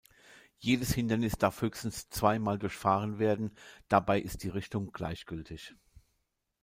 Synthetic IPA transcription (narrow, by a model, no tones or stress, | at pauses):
jeːdəshɪndɐnɪsd̥aɐfhøːçstn̩st͡sv̥aɪmaːldʊɐçfaːʁ̞ənveːɐdn̩d̥abaɪʔɪst̚d̥iːʁɪçtʊŋɡ̥la̰ɪçɡ̥ʏltʰɪç